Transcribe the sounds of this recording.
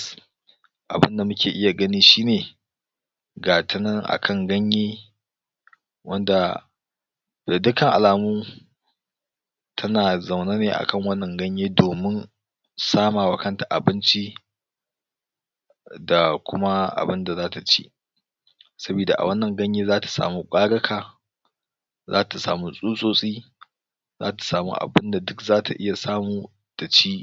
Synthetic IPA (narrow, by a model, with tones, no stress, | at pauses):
ʔa˨bɪ̰˦nda˨mʊ˦kʲʰeː˨ʔɪ˦ja˨ɡɐ˦niː˦ʃiː˦neː˨ | ɡaː˨tɪ˦nɐ˦ŋʔa̰˨kʰɐ˦˨ŋɡɐ˦ɲjeː˦ | wɐ˦nda˨ | da˨dʊ˦kɐ˦˨ŋʔa̰˨laː˨muː˦ | tʰɐ˦naː˨za˨wna˦neː˨ʔa̰˨kɐ˦˨ŋwɐ˦nːɐ˨ŋɡɐ˦ɲjeː˦doː˨mɪ˦n | saː˦maː˨wɐ˨kɐ˦nta˨ʔa̰˨bɪ˦nt͡ʃi˦ | da˨kʷʊ˦ma˦ʔa̰˨bɪ˦nda˨zaː˦ta˨t͡ʃḭ˦ʔ | sɐ˦biː˨da˨ʔa̰˨wɐ˦nːɐ˨ŋɡɐ˦ɲjeː˦zaː˦tḁ˨sa̰ː˨mu˦kʷʼaː˦ɽɐ˦kʰaː˨ | za̰ː˦ta˨sa̰ː˨mu˦sʼuː˦sʼoː˦sʼiː˦ | zaː˦tḁ˨saː˨mṵ˦ʔa̰˨bɪ˦nda˨dʊ˦kzaː˦tʰa˨ʔɪ˦ja˨saː˦muː˨ | d̥a˨t͡ʃiː˦